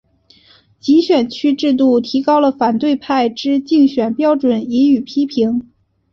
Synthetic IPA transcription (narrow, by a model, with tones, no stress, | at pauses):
t͡ɕi˧˥ɕɥɛ˨˩nt͡ɕʰy˥ʈ͡ʂɻ̩˥˧t̪̬u˥˩t̪ʰi˧˥kɑ˥ʊlə˨fa˨˩nt̪we˥˧ɪpʰa˥˩ɪʈ͡ʂɻ̩˥t͡ɕi˥˩ŋɕɥɛ˨˩npjɑ˥ʊʈ͡ʂwə˨˩˦ni˧˥y˨˩pʰi˥pʰi˧˥ŋ